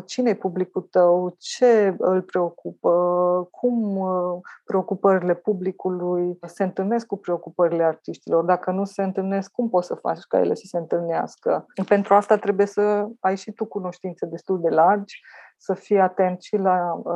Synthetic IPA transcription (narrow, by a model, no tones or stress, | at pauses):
t͡ʃinejpublikult̪əwt͡ʃe̞ɨlpɾe̞o̞kupəkʰum | pɾe̞o̞kupəɾile̞publikulujse̞ɨnt̪ɨlne̞skkupɾe̞o̞kupəɾile̞art̪iʃt̪ilo̞rd̪akənuse̞ɨnt̪ɨlne̞skːumpo̞t̪səfa̰t͡ʃʲka̰jḛle̞sə̥se̞ɨnt̪ɨlnea̰skəpe̞nt̪ɾuast̪at̪ɾe̞buje̞səajʃit̪ukuno̞ʃt̪int̪sed̪e̞st̪uld̪e̞lard͡ʒʲ | səfijat̪e̞nt̪ʃila